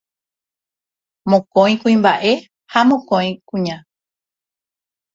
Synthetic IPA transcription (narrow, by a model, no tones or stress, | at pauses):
mõkõj̃kũĩmbaʔe̞ | hamõkõj̃kũɲã